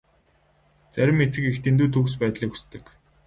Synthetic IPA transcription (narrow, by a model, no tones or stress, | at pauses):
t͡sæɾʲɪ̆met͡sɘ̆kext̪ent̪uːt̪ʰuɣspæːt̪ɮiːku̥st̪ɘ̆k